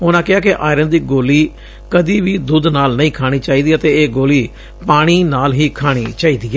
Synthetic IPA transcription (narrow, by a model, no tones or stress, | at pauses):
ʊnãːkɪɦaːkɪʔaːɪɾənd̪iːɡoːliː | kəd̪iːʋiːd̪ʊd̪naːlnəĩːkʰaːɽ̃iːt͡ʃaːiːd̪iːət̪eːeːɡoːliː | paːɽ̃iːnaːlɦiːkʰaːɽ̃ḭːt͡ʃaːiːd̪iːɛː